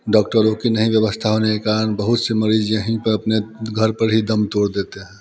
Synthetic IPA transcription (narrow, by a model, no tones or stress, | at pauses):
ɖɔk̚ʈəɾokinəɦĩbjəβəst̪ʰaɦonekekaɾənbəɦut̪seməɾid͡ʒjəɦĩpəɾəpneɡʱəɾpəɾɦid̪əmt̪oɽd̪et̪eɦɛ̃